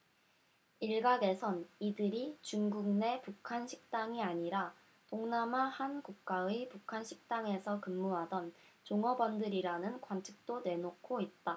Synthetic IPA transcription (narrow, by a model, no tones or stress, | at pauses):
iɭɡaɡe̞sʰʌnidɯɾit͡ɕuŋɡuŋne̞pukʰanɕʰi̥k̚t͈aŋiaɲiɾa | toŋnamahankuk̚k͈aepukʰanɕʰi̥k̚t͈aŋe̞sʰʌkɯmːuɦadʌn | t͡ɕoŋʌbʌndɯɾiɾanɯnkwant͡ɕʰi̥k̚t͈one̞nokʰoit̚t͈a